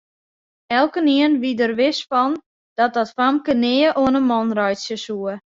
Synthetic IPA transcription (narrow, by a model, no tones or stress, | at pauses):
ɛlˠkəniənʋidərʋɪsfɔn | d̥ɔt̚dɔtfamkənɪːəʔoənəmɔnrɔjtsjəsuə